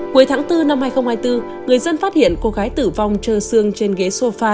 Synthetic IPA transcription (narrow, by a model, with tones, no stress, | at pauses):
ku˨˦əjt̪ʰaː˨˦ŋt̪ɨ˧na˧mhaː˧jxə˧wŋ͡mhaː˧jt̪ɨ˧ | ŋɨ˨˩əjzə˧nfaː˦˥t̚hḭ˧˨ənko˧ɣaː˨˦jt̪ɨ˧˩va˧˩wŋ͡mt͡ɕəː˧˩sɨ˧əŋt͡ɕe˧nɣe˨˦so˧faː˧